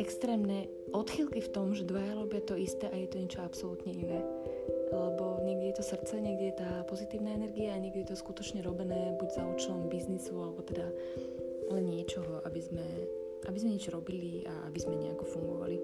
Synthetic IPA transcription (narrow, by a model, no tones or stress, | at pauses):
ɛkst̪ɾɛːmnɛ | ʔɔt̪xilkift̪ɔmʒɛd̪ʋajaɾɔbɪat̪ɔist̪ɛːʔajɛt̪ɔɲɛt͡ʃɔapsɔlut̪ɲɛinɛːʔalɛbɔɲɛɡdɟɛjɛt̪ɔsr̩t̪t͡sɛɲɛɡdɟɛjɛt̪aːpɔzit̪iːʊnaːɛnɛɾɡiaːɲɛɡ̚ɟʲɛjɛt̪ɔskut̪ɔt͡ʃɲɛɾɔbɛnɛːbuɟzauːt͡ʃɛlɔmbiznisualɛbɔt̪ɛd̪a | lɛnɲɪɛt͡ʃɔɦɔʔabizmɛ | ʔabizmɛɲɛd͡ʒɾɔbilia̰a̰bizmɛɲɛakɔfuŋɡɔʋa̰li